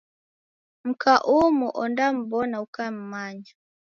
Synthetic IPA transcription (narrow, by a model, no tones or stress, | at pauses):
m̩kʰaʔumuʔɔndam̩bɔnaukam̩maɲa